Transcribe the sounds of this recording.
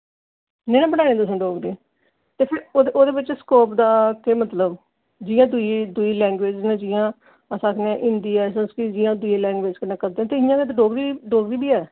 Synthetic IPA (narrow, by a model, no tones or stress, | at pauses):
neːnãːbəɽaːẽːt̪ʊsõːɖoːɡɾeː | t̪eːpʰɪɾoːd̪eʔoːd̪eːbɪt͡ʃskoːpd̪aːkeːmət̪ləb | d͡ʒɪjãːd̪ʊid̪ʊiːlɛ̃ːŋɡʋeːd͡ʒnẽːd͡ʒɪjãː | əsãːkʰneãʔɪ̃nd̪iːɛːsənskɪd͡ʒɪjãːd̪ʊeːlɛ̃ːŋɡʋeːd͡ʒkənẽːkəɾd̪eːɛ̃t̪eːɪjãːkeːt̪ːɖoːɡɾiːɖoːɡɾiːbiːɛː